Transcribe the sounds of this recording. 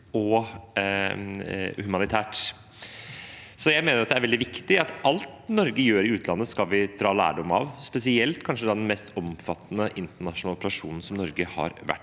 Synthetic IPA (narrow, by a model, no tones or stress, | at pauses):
ɔ | hʉmɑnɪt̪ʰæːʈ | sɔjæɪmeːnəɾɑt̪d̪ɛæɾʋɛld̪ɪʋɪkt̪ɪɑt̪ʔɑlt̪nɔɾɡəjøːɾɪʉːt̪ʰlɑnːəskɑlʋɪd̪ɾɑːlæ̰ːɖɔmɑ̰ʋspɛsɪɛlt̪kʰɑnʂəd̪ɑd̪ɛnmɛst̪ʰɔmfɑt̪ːnəʔɪnt̪əɳɑʂnɑlɔpəɾɑʂṵːnn̩sɔmnɔɾɡəhɑ̰ɾʋæ̰ʈː